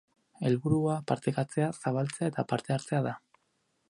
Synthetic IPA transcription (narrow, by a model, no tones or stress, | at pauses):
e̞lβuɾuapaɾt̪ekat͡se̞asaβalt͡se̞ae̞t̪apaɾt̪e̞aɾt͡se̞aða